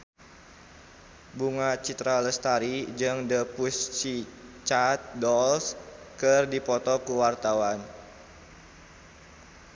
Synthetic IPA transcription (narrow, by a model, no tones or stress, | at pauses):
buŋat͡ʃit̪ɾaləst̪aɾid͡ʒɨŋdəpust͡ʃit͡ʃat̪̚dɔls | kɨrdipɔt̪ɔkuwart̪awan